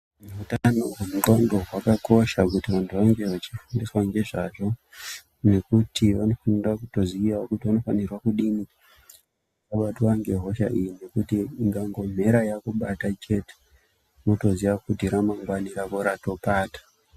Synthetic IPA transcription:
meutanoɦemutoŋdoɦwakako̞ʃakutiʋantʰuʋaŋɡe̞ʋat͡ʃifundiswaŋɡe̞ʐaʐo̞ | ne̞kutʰiʋano̞fanirwakuto̞ziiaokutiʋano̞fanirwakuɗimi | kaɓatuwaŋɡe̞ɦo̞ʃa̰ʔijine̞kutiːŋɡaŋɡo̞m̤e̞ɾajakuɓatat͡ʃe̞te̥ | no̞to̞ziʋakudiɾamaŋɡwaniɾakoɾato̞paːtḁ

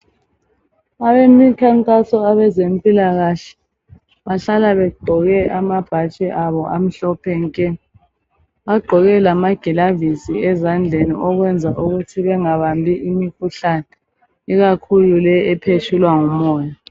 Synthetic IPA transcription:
aβemikʰaŋkʼasɔaβɛzem̩pʼilaɣaɬɛ̥ | βaɬalaβɛɡ͡ǃʱɔɣɛʔamab̥ʱat͡ʃʼɛʔaβɔʔam̩ɬɔpʰɛŋkʼɛ | βaɡ͡ǃʱɔɣɛlamaɡ̥ʱɛlavisiɛzand͡ɮʱenḭʔɔɣwɛnd͡zʱaʔuɣutʰiβɛŋaβambʱiʔimikʰuɬanɛ | iɣakʰululɛɛpʰet͡ʃʰulwaŋumɔːja

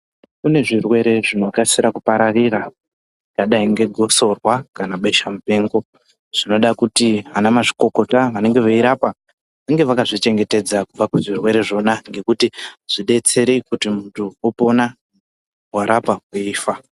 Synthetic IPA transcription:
kune̞ʐirwe̞ɾe̞ʐino̞kasiɾakupaɾarira | ʐikaɗaiŋɡe̞ɡʱo̞so̞rwakanaɓeʃamupe̞ːŋɡo̞ | ʐ̥ino̞ɗakutiʋanamaʐi̥ko̞ko̞taʋane̞ŋɡe̞ʋaiɾapa | ʋaŋɡe̞ʋakaʐit͡ʃe̞ŋɡe̞te̞d͡zakub͡vakuʐirwe̞ɾe̞ʐo̞naŋɡe̞kutiʐ̥iɗe̞t͡se̞ɾikutimuntuopo̞na | waɾapakuiːfa

